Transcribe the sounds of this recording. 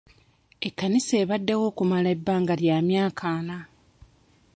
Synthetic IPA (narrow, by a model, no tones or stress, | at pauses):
ekːanise̞ːβadːewo̞ːkumalaebːaːŋɡaljaːmjaːkʰaːna